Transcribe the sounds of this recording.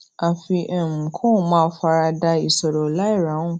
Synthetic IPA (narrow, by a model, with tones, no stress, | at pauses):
a˨fi˧ʔɛ˨m̩˨kʰũ˦˨mãː˦fa˧ɾa˧da˧i˨sɔ˨ɾɔ˨la˦i˦˨ɾã˨˦ũ˦˨